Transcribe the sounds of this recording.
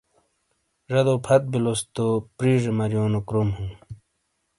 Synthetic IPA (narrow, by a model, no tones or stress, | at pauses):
ʐɐd̪oːpʰɐt̪̚bilost̪opɾiːʐemɐɾjoːnokɾomhũː